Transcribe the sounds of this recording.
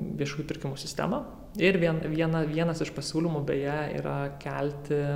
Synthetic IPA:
ʋʲiɛʃuːjupʲɪɾʲkʲɪmuːsʲɪst̪ʲæ̰ːmɐ | ɪɾʋʲiɛnʋʲiɛnɐʋʲiɛnɐsɪʃpɐsʲuːlʲɪmuːbʲɛjɛḭːɾɐkʲɛlʲt̪ʲɪ

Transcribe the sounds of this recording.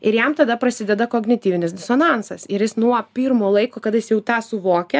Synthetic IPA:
ɪɾjæmt̪ɐd̪ɐpɾɐsʲɪdʲɛd̪ɐkoːɡnʲɪt̪ʲiːʋʲɪnʲɪsd̪ʲɪsoːnɑnsɐsɪɾjɪsnuɔpʲiːɾmoːlˠɐɪkoːkɐt̪jɪsjɛʊt̪ɑːsʊʋoːkʲɛ

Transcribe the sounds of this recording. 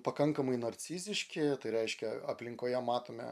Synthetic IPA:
pɐkɐŋkɐmɐɪnɐɾʲsʲiːzʲɪʃʲkʲɪt̪ɐɪɾʲɛɪʃʲkʲɛɐpʲlʲɪŋkoːjɛmɑːt̪oːmʲɛ̰

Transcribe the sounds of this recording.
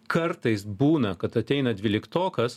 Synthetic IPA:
kʰɐɾt̪ɐɪsbuːnɐkɐt̪ɐt̪ʲɛɪnɐd̪ʲʋʲɪːlʲɪkt̪oːkɐs

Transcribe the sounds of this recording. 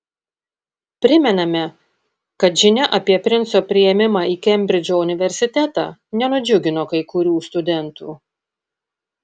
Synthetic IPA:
pʲɾʲɪmʲɛnɐmʲɛ | kɐt̪ʒʲɪnʲɛʔɐpʲiɛpʲɾʲɪnsoːpʲɾʲɪjɛmʲɪmɑːiːkʲɛmʲbʲɾʲɪd͡ʒʲoːʊnʲɪʋʲɛɾʲsʲɪt̪ʲæt̪ɑ̰ːnʲɛnʊd͡ʒʲʊɡʲɪnoːkɐɪkʊɾʲuːst̪ʊd̪ʲɛnt̪uː

